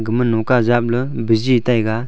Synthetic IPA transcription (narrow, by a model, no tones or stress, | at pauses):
ɡəmənːokazap̚ləbəzit̪ajɡa